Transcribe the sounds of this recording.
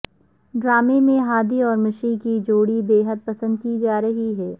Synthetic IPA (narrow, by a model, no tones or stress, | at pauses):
ɖɾaːmemẽɦaːd̪iɔːɾmɪʃikid͡ʒoːɽibeːɦəd̪̚pɐsə̃nd̪̚kid͡ʒaːɾɐɦiɦɛː